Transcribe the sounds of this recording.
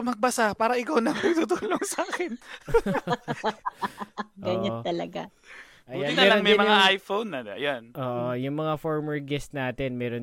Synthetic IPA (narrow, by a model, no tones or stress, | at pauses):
mɐɡ̚bɐsapaːɾɐʔɪkawnɐŋpɐɡt̪ut̪uːloŋsaːkɪn | ʔɡɐɲɐnt̪ɐlɐ̰ɡa̰ | ʔɐjanɪnɐɛːɾɐoŋmɐjmɐŋaʔajfownːɐɐ̰janʔoːʔojʊŋmɐŋafoɹmɛɹɡɛst̪naːt̪ɛnmɛːɾon